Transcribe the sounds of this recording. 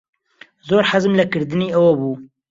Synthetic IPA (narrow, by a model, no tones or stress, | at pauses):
zoːɾħazɨmlɐkɨɾd̪ɨneːɛwɐbuː